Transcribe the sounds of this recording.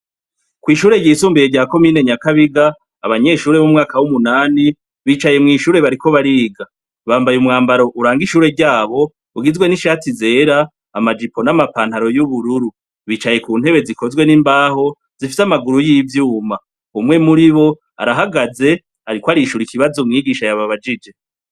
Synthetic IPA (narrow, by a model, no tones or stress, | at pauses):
kwiːʃuːɾe̞jiːsuːmbijeɟaːko̞miːne̞ɲakaβiɡaː | βaɲe̞ʃuːɾe̞βomŋaːkawumunaːni | βiːt͡ʃaje̞mŋiːʃuːɾe̞βaɾiko̞βaɾiːɡa | βaːmbajumŋaːmbaɾo̞ʔuɾaːŋɡiʃuːɾe̞ɾɟaːβo̞ | uɡizɡwe̞niʃatize̞ːɾaː | mad͡ʒipʰo̞namapaːn̥haɾo̞juβuɾuɾu | βiːt͡ʃaje̞kuːn̥he̞βe̞ziko̞zɡwe̞nimbaːɦo̞ | z̥ifisamaɡuɾujiːvjuːma | umŋe̞muɾiβo̞ | a̰ɾaɦaɡaze̞ | aɾikwaɾiʃuɾikiβazomŋiːɡiːʃajaβaβad͡ʒid͡ʒe